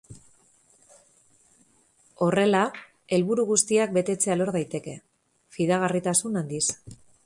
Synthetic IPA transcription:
o̞re̞la | e̞lβuɾuɣust̪iak̚be̞t̪e̞t͡se̞alo̞ɾðajt̪e̞ke̞ | fiðaɣ̞arit̪asunand̪is

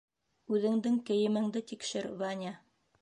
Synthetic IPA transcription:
ʉðɘ̆ŋd̪ɘŋkɘ̆jɘ̆mɘ̆ŋd̪ɘt̪ikʃɘɾvanʲa

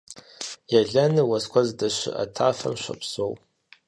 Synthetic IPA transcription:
jaɮɐnɨwɐskʷʰazdɐʃʷɪ̰ʔa̰tʰaːfɐ̰mʃʷɐ̰pʰsow

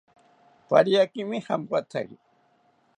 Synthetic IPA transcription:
pa̰ɾjakɪmɪhamwat͡sa̰j

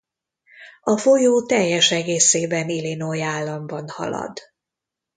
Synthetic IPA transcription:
ɒfojoːt̪ɛjːɛʃɛɡeːseːbɛnilinojaːlːɒmbɒnhɒ̰lɒ̰d̪

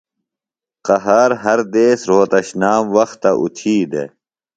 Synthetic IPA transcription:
qɐɦaɾɦɐɾd̪eːsɾoːt̪ɐɕnaːmwɐxt̪ːɐʔṵt̪ʰiːd̪e

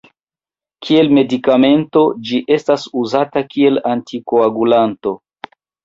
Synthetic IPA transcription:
kʰie̞lme̞dikame̞nto̞d͡ʒiʔe̞stasuzatakie̞lantikoaɡulanto̞

